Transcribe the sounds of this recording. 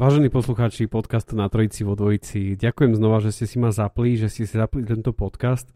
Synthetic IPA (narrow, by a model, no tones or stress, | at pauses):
ʋaːʒɛniːpɔsluxaːt͡ʃipɔt̪kast̪nat̪ɾɔit͡siʋɔd̪ʋɔjit͡siɟakujɛmznɔʋaʒɛscɛsimazapliʒɛscɛsizaplit̪ɛnt̪ɔpɔt̪kast̪